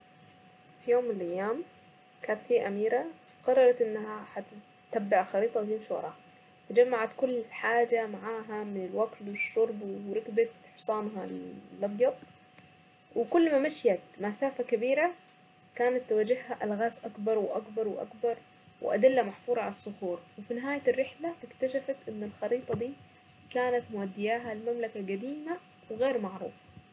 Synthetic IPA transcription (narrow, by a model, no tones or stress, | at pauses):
fijoːmːɪnɪlʔajːaːm | kaːnt̪fiːʔamiːɾa | qɑrˤːɑɾˤɑt̪ʔɪnːaɦaħa | t̪ːabːaʕxɑɾiːt̪ˤɑwt̪ɪmʃwɑ̰ɾˤɑ̰ː | t̪ad͡ʒamːaʕat̪kʊlːħaːd͡ʒamaʕaːɦamɪnɪlwakt̪wɪʃːʊɾˤbwɾɪkbat̪ħʊsˤɑːnɦalʔɑbjɑt̪ˤ | wʔɪkʊlːmamaʃjat̪masaːfakabiːɾa | kaːnat̪ːawaːd͡ʒɪhhaʔalɣaːsʔakbɑɾˤwɪʔakbɑɾˤwɪʔa̰kbɑɾˤ | wɪ̰ʔa̰d̪ɪlːamaħfuːɾˤɑʕalasˤːʊhuːɾˤwɪfinɪɦaːjarːɪħlaʔɪkt̪aʃafat̪ʔɪnːɪlxɑɾiːt̪ˤɑd̪iː | kaːnat̪mʊʔad̪ːɪjaːɦalɪmamlakaɡad̪iːma | wɪɣeːɾmaʕɾṵːfḁ